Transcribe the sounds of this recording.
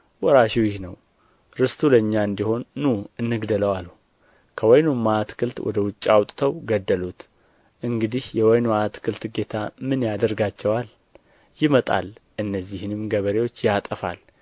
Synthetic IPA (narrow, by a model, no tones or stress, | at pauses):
wɔɾaʃiwjɪhnəw | ɾɨst̪ʰuləɲːaɨnd̪iho̞nːuɨnːɨɡd̪ələwalu | kʰəwɔjnomːat̪kʰɨlt̪wʔɔ̰d̪əwʊt͡ʃʼːawt̪ʼt̪ʰəwɡəd̪ːəlut̪ | ʔɨŋɡɨd̪ihjɛwɔjnoat̪kʰɨlt̪ɡe̞t̪ʰamɨnjad̪əɾɡat͡ʃːɛwal | jɪmət̪ʼa̰lʔɨnːəzːihnɨmɡəβəɾewo̞t͡ʃːjat̪ʼəfa̰l